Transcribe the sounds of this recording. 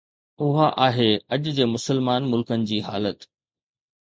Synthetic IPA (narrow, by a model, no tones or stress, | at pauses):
ʊɦaʔaːɦeɐʄʊd͡ʑeːmʊsəlmaːnmʊlkənɪ̆d͡ʑiːɦaːlət̪